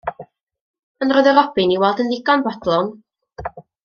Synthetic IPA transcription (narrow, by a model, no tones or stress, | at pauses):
ənrɔːjðəɾɔbɨniwɛlˠdənðɪɡɔnbɔdlˠɔn